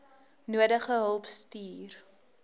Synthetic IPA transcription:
nuədəχəɦəlˠpstiːr

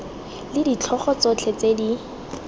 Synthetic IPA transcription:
lɪdit͡ɬʰɔχɔt͡sɔt͡ɬʰet͡sedi

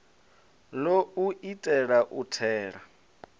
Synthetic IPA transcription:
louʔitʼɛɺaʔutʰɛːɺa

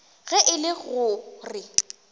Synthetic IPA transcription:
ɣɛʔɪlɪɣʊrɪ

